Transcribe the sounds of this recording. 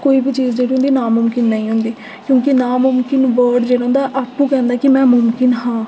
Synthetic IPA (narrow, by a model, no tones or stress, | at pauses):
koːiːbit͡ʃiːzd͡ʒeːɽiɦʊ̃nd̪iːnaːmʊmkɪnːəĩːɦʊ̃nd̪iː | kjõːkɪnaːmʊmkɪnʋəɾɖd͡ʒeːɽãʊ̃nd̪aːʔaːpːũːkɛ̃ːnd̪aːkɪmɛ̃ːmʊmkɪnɦãː